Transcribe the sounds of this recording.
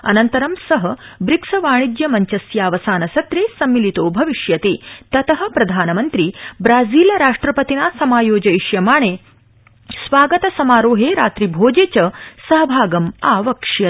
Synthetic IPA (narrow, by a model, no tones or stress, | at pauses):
ɐ̰nɐnt̪ɐɾɐmsɐɦɐbɾiksɐʋaːɳ̃id͡ʒ̪jɐmɐɲt͡ʃɐsjaːʋɐsaːnɐsɐt̪ɾeːsɐmːilit̪oːbʱɐʋiʂjɐt̪eːt̪ɐt̪ɐɦɐ̆pɾɐd̪ʱaːnɐmɐnt̪ɾiːbɾaːd͡ziːlɐɾaːʂʈɾɐpɐt̪inaːsɐmaːjoːd͡ʒɐiʂjɐmaːɳ̃eː | sʋaːɡɐt̪ɐsɐmaːɾoːɦeːɾa̰ːt̪ɾibʱoːd͡ʒeːt͡ɕɐsɐɦɐbʱaːɡɐmaːʋɐkʂjɐ